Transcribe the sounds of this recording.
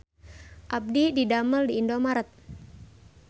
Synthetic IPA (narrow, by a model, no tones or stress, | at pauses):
ʔab̚dididaməldiːndomaɾət̪̚